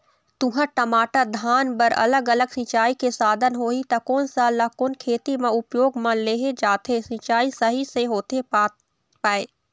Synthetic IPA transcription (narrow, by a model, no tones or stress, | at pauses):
t̪ʊ̃ɦãʈɐmaːʈad̪ʱaːnbəɾɐ̰ləɡələɡsĩt͡ʃaːikesaːd̪ʱənɦoːit̪ɐkɔːnsalɐkoːnkʰeːt̪imẽʊpjoːɡmãleːɦed͡ʒaːt̪esĩt͡ʃaːisɐɦiseɦoːt̪e | paːeː